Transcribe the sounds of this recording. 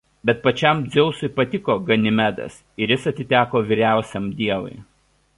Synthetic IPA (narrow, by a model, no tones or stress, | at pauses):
bʲɛt̪̚pɐt͡ʃʲɛmd̪zʲɛʊsʊɪpɐt̪ʲɪkoːɡɐnʲɪmʲæd̪ɐ̰s | ɪɾʲjɪsɐt̪ʲɪt̪ʲæːkoːʋʲiɾʲæˑʊsʲɛmd̪ʲiɛʋʊ̰ɪ